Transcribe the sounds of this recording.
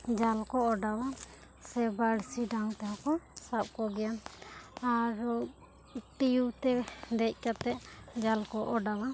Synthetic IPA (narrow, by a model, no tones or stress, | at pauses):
d͡ʒalkɔɔɖawa | sɛbaɽsiɖaŋt̪aɦakɔsap̚kɔɡɛjanaɾɔ | ʈijut̪ɛd̪ɛc̚ˀkat̪ɛʔd͡ʒalkɔʔɔɖawa